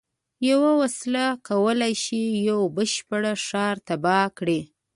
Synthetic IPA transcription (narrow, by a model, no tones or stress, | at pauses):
jawawaslakawəlajʃijawbəʃpəɽaʃɑɾt̪abɑkɽi